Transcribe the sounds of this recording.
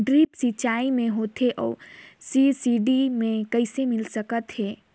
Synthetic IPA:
ɖɾiːpsit͡ʃaːimẽɦoːt̪ɦeʔɔ̰ːsisiːɖimẽkɐɪsemɪlsəkət̪ɦeː

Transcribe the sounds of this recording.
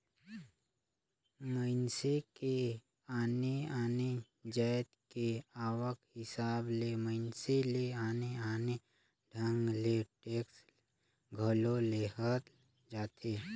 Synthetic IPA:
məɪnseke | aːneaːne | d͡ʒajt̪keaːwəkhɪsaːbleməɪnseleaːneaːne | ɖʱə̃ŋɡleʈeːks | ɡʱəloleɦət̪ | d͡ʒaːt̪ʰeː

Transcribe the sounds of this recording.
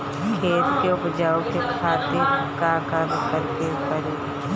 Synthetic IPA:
kʰeːskeʊpd͡ʒaːokekʰaːt̪ekakamkəɾkepəɾe

